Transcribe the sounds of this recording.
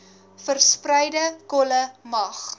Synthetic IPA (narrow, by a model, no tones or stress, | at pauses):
fərsprəjdəkɔləmɐχ